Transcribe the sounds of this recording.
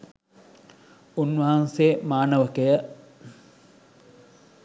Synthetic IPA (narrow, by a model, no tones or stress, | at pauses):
unʋɐɦanseːmaːnəʋəkejə